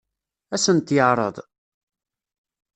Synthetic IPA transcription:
æsənt̪jəʕɾˤə̰ðˤ

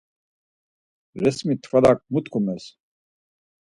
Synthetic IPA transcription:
ɾɛsmit̪ʰfad̪ak̚mut̪kʰumɛs

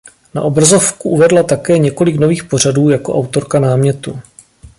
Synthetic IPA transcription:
na̰ʔobɾazo̞fkuʔuvɛdlat̪akɛːɲɛko̞lɪkno̞viːxpo̞r̝aduːjako̞ʔawt̪o̞ɾkanaːmɲɛt̪u

